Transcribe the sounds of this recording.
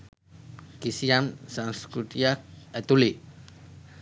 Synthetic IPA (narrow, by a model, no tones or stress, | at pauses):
kisiamsanskut̪ijak̚ɛt̪uli